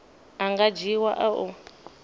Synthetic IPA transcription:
aŋɡad͡ʒiwaʔaʔu

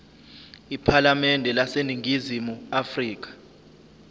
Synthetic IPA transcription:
ipʰalamɛndʱɛlaseniŋʱizimuafriːk̬ḁ

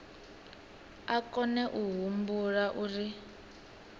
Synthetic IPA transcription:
akɔnɛʔuɦumbuɺaʔuri

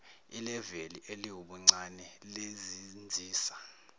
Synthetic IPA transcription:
ilɛveliʔeliwuɓuŋ͡ǀanɛlezind͡zʱiːsa

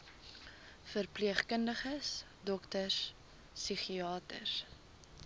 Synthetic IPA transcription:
fərpliəχkəndəχəs | dɔktəs | siχiɑːtə̰s

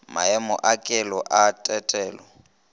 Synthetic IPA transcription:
maɛmʊʔakʼɛlɔʔatʼɛtʼɛːlɔ

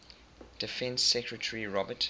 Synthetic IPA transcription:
d̥ɪfɛ̃nsɛkɹətʰəɹiɹɔbət

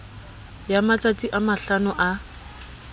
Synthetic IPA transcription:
jamatʼat͡siʔamaɬanʊʔa

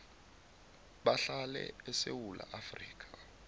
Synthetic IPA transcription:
ɓaɬalɛ̰ɛsewulʔaʔafriːk̬ʰʼḁ

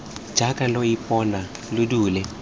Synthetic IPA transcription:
d͡ʒʱakʼalɔipʼɔna | lʊduːlɛ

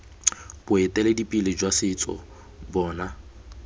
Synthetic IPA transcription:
b̥ʊɛtʼɛledipʼilɪd͡ʒwasɪt͡sʼɔ̰ | bɔːna

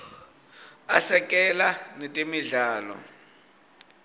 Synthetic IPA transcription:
asɛk̬ʼɛlanetʼemiɮaːlɔ̰

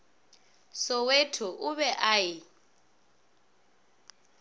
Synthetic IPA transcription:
sɔwetʰɔʔuβɛʔaːjɪ

